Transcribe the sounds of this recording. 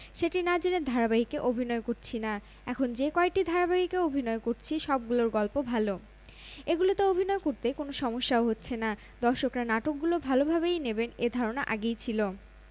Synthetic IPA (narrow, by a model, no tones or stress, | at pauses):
ʃeʈinad͡ʑined̪ʱaɾabaɦikeʔobʱinɔekoɾt͡ɕʰina | ɛkʰond͡ʑekɔek̚ʈid̪ʱaɾabaɦikeobʱinɔekoɾt͡ɕʰiʃɔb̚ɡuloɾɡɔlpobʱalo | eɡulot̪oobʱinɔekoɾt̪ekonoʃɔmoʃːaoɦotːɕʰena | d̪ɔɾʃokɾanaʈok̚ɡulobʱalobʱaβejnebened̪ʱɔɾonaʔaɡejt͡ɕʰilo